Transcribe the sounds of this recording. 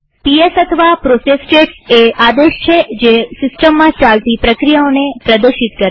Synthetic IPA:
piesət̪ʰəʋapɾosesʈeʈsead̪eʃt͡ʃʰed͡ʒesɪsʈəmːãt͡ʃalt̪ipɾəkɾijaonepɾəd̪əɾʃit̪kəɾ

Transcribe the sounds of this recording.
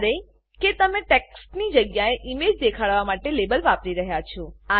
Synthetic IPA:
ɾe | ket̪əmẽʈeksʈnid͡ʒəɡjaeʔimed͡ʒd̪ekʰaɽʋamaʈelebəlʋapɾiɾəɦjat͡ʃʰɔa

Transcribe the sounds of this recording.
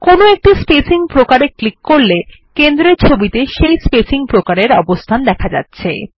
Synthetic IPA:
konoek̚ʈispesiŋpɾokaɾeklikːoɾle | kend̪ɾeɾt͡ɕʰobit̪eʃejspesiŋpɾokaɾeɾɔbost̪ʰand̪ɛkʰad͡ʑa̰tːɕʰḛ

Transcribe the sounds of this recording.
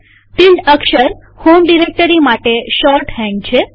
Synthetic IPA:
p̪iɳɖəkʃəɾ | homɖiɾek̚ʈəɾimaʈeʃɔɾʈɦɛ̃ŋɡt͡ʃʰe

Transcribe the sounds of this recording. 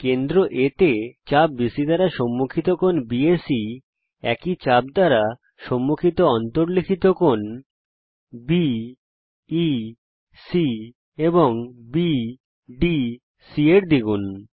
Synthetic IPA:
kend̪ɾoʔet̪et͡ɕab̚bisid̪aɾaʃɔmːukʰit̪okonbiesi | ɛkit͡ɕabd̪aɾa | ʃɔmːukʰit̪oɔnt̪oɾlikʰit̪okon | bi | si | eboŋbi | ɖi | sieɾd̪iɡun

